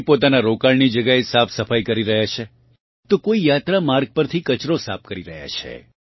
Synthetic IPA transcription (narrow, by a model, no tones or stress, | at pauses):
pot̪anaɾokaɭnid͡ʒəɡjaesapʰsəfajkəɾiɾəɦjat͡ʃʰe | t̪okoijat̪ɾamaɾɡ̚pəɾt̪ʰikət͡ʃɾosa̰p̚ʰkəɾiɾəɦja̰t͡ʃʰḛ